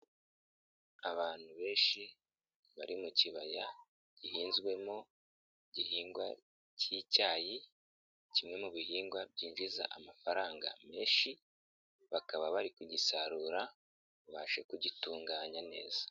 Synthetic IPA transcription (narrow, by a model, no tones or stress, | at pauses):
aβaːn̥huβe̞ːʃi | βaɾimuciβaja | ɟ̥ihiːnzɡwe̞mo | ɟihiːŋɡwa̰ | cicaːji | cimŋe̞muβihiːŋɡwab̚ɟiːnʒiza̰ʔamafaɾaːŋɡa̰me̞ːʃi | βakaβaβaɾikuɟisaɾuːɾa | βaʃekuɟituːŋɡaːɲane̞̰ːzḁ